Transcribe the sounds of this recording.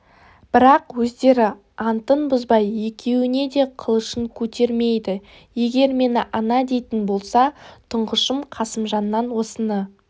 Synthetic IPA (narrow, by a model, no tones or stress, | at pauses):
b̥ɪɾɑqwɵzd̪e̞ɾɪ | ɑnt̪ənbʊzbɑjːe̞kʲʰe̞wɪne̞d̪e̞qʰəlˠəʃəɴkʲʰɵt̪e̞ɾme̞jd̪ɪ | je̞ɡʲe̞ɾme̞nɪʔɑnɑd̪e̞jt̪ɪnbo̞lˠsɑt̪ʰʊɴʁəʃəmqʰɑsəmʒɑnːɑnwo̞sənə